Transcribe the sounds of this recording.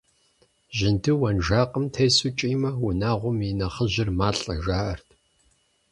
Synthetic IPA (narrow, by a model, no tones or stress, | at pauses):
ʑɪntʰɨwɐnʒaːqʼəmtʰeːsut͡ʃʼiːmɐʊnaːʁʷʊminɐχəʑɪrmaːɬʼɐʒaːʔɐrtʰ